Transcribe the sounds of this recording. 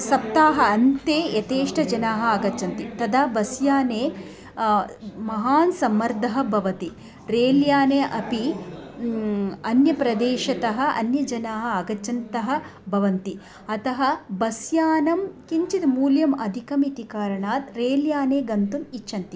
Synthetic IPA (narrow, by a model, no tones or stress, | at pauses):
sɐp̚t̪aːɦɐ̆ɐnt̪eːjɐt̪eːʂʈʰɐd͡ʒɐnaːɦɐ̆ɐɡɐt͡ʃɐnt̪it̪ɐd̪aːbɐsjaːneː | mɐɦaːnsɐmːɐɾd̪ʱɐɦɐ̆bʱɐʋɐt̪i | ɾeːljaːneːʔɐpi | ɐnjɐpɾɐd̪eːʃɐt̪ɐɦɐ̆ʔɐ̰njɐd͡ʒɐnaːɦɐ̆ɐɡɐt͡ʃɐnt̪ɐɦɐ̆bʱɐʋɐnt̪i | ɐt̪ɐɦɐ̆bɐsjaːnɐmkiɲt͡ʃit̪muːljɐmɐd̪ʱikɐmit̪ikaːɾɐɳaːt̪ɾeːljaːneːɡɐnt̪umit͡ʃːʃʰɐnt̪i